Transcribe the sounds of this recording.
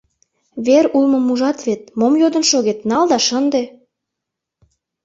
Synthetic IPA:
βeɾulmə̆muʒɑt̪βet̪̚momjod̪ə̆nʃoɣet̪nɑld̪ɑʃənd̪e

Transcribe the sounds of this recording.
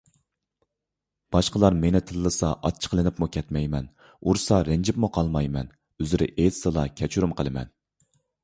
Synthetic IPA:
b̥ɑʃqəlˠɑɾmenɪt̪ʰɨlːɨsɑʔɑt̪̚t͡ʃʰə̥qʰəlˠɨnɪpmukʲʰɛt̪mɛjmɛn | uɾsɑɾɪnd͡ʒɪpmuqʰɑlˠmɑjmɛn | øzɪɾɪ̰ʔet̪sɨlˠɑkʲʰɛt͡ʃʰyɾumqʰəlˠɨmɛ̰n

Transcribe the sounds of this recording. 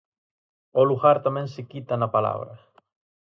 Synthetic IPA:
oluxaɾt̪amɛ̃ŋsekit̪anapala̰β̞ɾa̰

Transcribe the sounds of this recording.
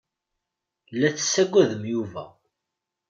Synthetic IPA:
lːæt͡sːə̥sːæɡʷːæðəmjuvæ̰

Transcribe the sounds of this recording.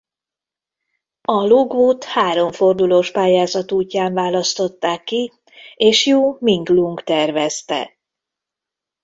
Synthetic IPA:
ɒloɡoːt̪haːɾo̞ɱfo̞rd̪uloːʃpaːjaːzɒt̪uːcːaːɱvaːlɒst̪o̞t̪ːaːkːi | eːʃjoːmiŋɡluŋkt̪ɛrvɛst̪ɛ̰

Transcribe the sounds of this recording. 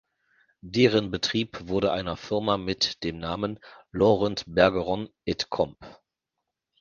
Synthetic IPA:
deːʁənbətʁ̥iːpv̥ʊɐɾəʔaɪnɐfɪɐmamɪtd̥eːmnaːmənlɔʁɛntbɛɐɡəʁɔnʔɛtkʰɔmp

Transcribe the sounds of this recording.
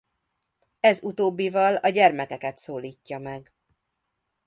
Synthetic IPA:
ɛzut̪oːbːivɒlɒɟɛrmɛkɛkɛt̪soːliːcːɒmɛɡ

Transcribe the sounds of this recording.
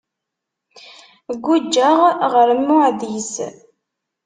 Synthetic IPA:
ɡʷːud͡ʒːəʁʁəɾəmːʊʕðis

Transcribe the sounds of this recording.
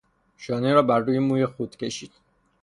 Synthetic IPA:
ʃɒːneɾɒːbæɾːuːjemuːjexud̪̥cʰe̞ʃiːd̪̥

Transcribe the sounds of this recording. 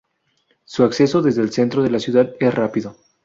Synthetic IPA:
suakse̞so̞ðe̞zðe̞ːlse̞nt̪ɾo̞ðe̞lasjuðaðe̞srapiðo̞

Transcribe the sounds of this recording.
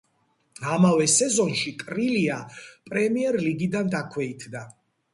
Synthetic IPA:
amavɛsɛzɔnʃitʼɾiliapʼɾɛmiɛɾliɡid̪and̪akʰwɛit̪ʰd̪a

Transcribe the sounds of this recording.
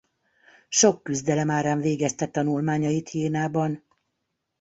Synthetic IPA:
ʃo̞kːyzd̪ɛlɛmaːɾaːɱveːɡɛst̪ɛt̪ːɒnulmaːɲɒjit̪ʰjeːnaːbɒn

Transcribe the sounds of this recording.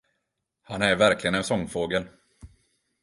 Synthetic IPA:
hanæɾvæɾklɪɡənɛnsɔŋːfoːɡəl

